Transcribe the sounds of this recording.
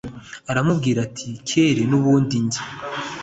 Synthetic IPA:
aɾamubɡiːɾatʰiceɾe̞nuβuːndindi

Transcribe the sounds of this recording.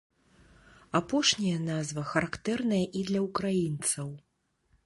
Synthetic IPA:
apɔʂnʲɐjɐnazvɐxɐɾakt̪ɛrnɐjɐʔid̪lʲɐukɾajint̪sɐw

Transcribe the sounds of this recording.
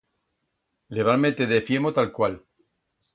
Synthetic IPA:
leβalmet̪eðefjemot̪alkwal

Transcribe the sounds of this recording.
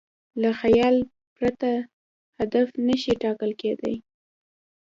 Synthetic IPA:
laxajɑl | pɾat̪a | had̪afnəʃiʈɑkəlked̪a̰j

